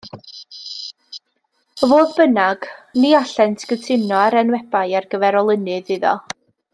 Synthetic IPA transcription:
əvoːðbənaɡ̥niaɬɛntʰɡ̥ətʰɪnɔaɾɛnwɛbajarɡəvɛɾɔlˠənɨðɨðɔ̰

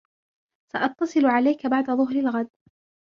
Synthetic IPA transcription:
saʔɑt̪ːɑsˤɨlʕalajkabaʕd̪aðˤʊɦɾalɣad̪̚

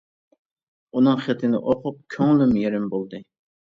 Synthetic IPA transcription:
unɨŋχet̪ʰɪnɪ̰ʔoqʰʊp̚kʲʰøŋlymjeɾɪmbolˠd̪ɨ

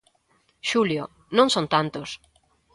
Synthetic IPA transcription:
ʃuljo | nõŋsõnt̪ant̪os

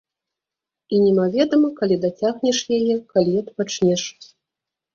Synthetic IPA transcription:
inʲɛmavʲɛd̪ɐmɐkalʲid̪at͡sʲaɣnʲɛʂjajɛkalʲiɐt̪pat͡ʂnʲɛʂ

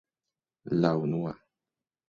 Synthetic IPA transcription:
lawnuwa

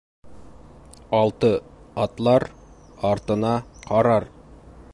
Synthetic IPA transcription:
ɑlˠt̪ɤɑt̪lˠɑɾ | ɑɾt̪ɤ̆nɑqʰɑɾɑɾ

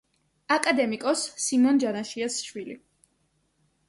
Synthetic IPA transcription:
akʼad̪ɛmikʼɔsːimɔnd͡ʒanaʃiasʃwili

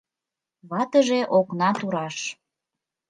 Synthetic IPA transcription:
βɑt̪əʒeʔoknɑt̪uɾɑʃ

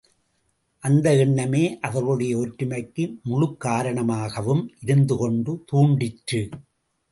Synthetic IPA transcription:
ʔɐnd̪ɐɛɳːɐmeːʔɐʋɐɾɣɯɽɐjɐɔʈɾɯmɐɪkːɯmʊɻɯkːaːɾɐɳɐmaːɣɐʋɯmʔɪɾɯnd̪ɯkɔɳɖɯt̪uːɳɖɪʈrɯ

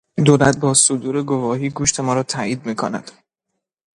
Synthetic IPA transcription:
d̪oːlæt̪̚bɒːsod̪uːɾe̞ɡo̞vɒːɦiːɡuːʃt̪ʰe̞mɒːɾɒːt̪ʰæiːd̪̚miːkʰonæ̰d̪̥

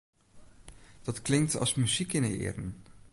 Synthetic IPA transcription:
d̥ɑtklɪŋktɑ̰lˠsmyzikɪnəɪ̰ːrən

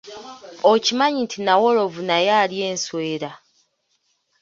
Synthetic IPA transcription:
ocimaɲintʰinawoɾo̞vunajaːlje̞ːnsweːɾa

